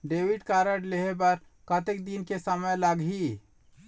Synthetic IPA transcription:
ɖeːwiɖkaːɾəʈleɦebəɾ | kət̪ek̚d̪inkesəməjləɡɦi

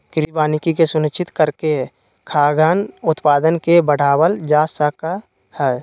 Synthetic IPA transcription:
kɾibaːnɪkikesʊnɪt͡ʃɪt̪kəɾke | kʰaːɡaːnʊt̪paːd̪ənkebəɽ̤aːwəld͡ʒaːsəka | hɛː

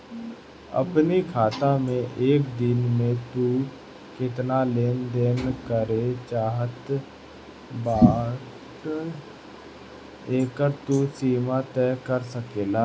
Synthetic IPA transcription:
ə̰pnikʰaːt̪amẽʔeːkd̪ɪnmẽt̪u | kɪt̪naleːnd̪eːnkəɾet͡ʃaːɦət̪ | baː | ʈ | eːkəɾt̪usiːmat̪ɛːkəɾsəkeːlaː

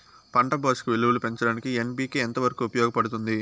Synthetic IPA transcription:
pɐɳʈɐbɐːʂkuʋeluʋulupe̞ɲt͡ʃɐɽaːnikienbiːkient̪ɐʋɐɾɐkuːupɐjɔːɡɐpɐɽut̪und̪i

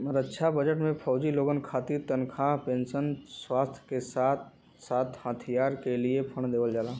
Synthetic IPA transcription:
mɾətːʃʰabəd͡ʒəʈmẽpʰɔːd͡ʒiloːɡənkʰaːt̪iɾt̪ənkʰapẽːnsənswaːst̪ʰjkesaːt̪ | saːt̪ʰhət̪ʰijaːɾkeliepʰəɳ̃d̪eːʋəld͡ʒaːlaː

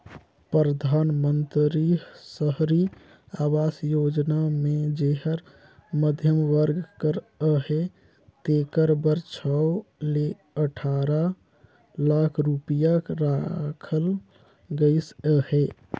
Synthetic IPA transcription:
pɾəd̪ʱanmənt̪ɾisəɦɾi | awasjod͡ʒnamed͡ʒeɦəɾ | məd̪ʱjəmʋəɾɡkəɾ | əhe | t̪ekəɾbəɾt͡ʃʰɔle | əʈʰaɾa | lakʰɾupijakɾakʰəl | ɡəɪsəhe

